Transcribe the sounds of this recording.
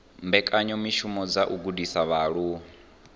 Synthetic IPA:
mbɛkʼaɲɔmiʃumɔd͡zaʔuɡudisaβaɺuː

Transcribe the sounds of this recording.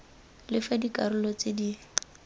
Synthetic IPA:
lɪfadikarʊlɔt͡sɪdi

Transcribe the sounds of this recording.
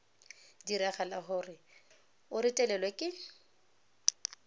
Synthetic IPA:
diɾɛχalaχʊrɪ | ʊɾɪtʼɛlɛlwɛkʼɪ

